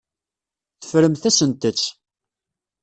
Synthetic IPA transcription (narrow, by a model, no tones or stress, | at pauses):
θə̥fɾəmθæsənt̪ət͡sː